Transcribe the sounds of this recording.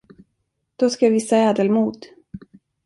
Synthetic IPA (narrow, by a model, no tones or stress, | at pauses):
d̪̥ɔskaavɪsːaɛːd̪əlmuːd̪